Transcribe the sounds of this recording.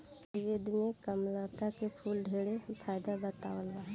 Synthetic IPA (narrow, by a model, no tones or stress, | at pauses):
jed̪imekəmlat̪akepʰuːlɖʱeːɽepʰaːjd̪abət̪aːwəlba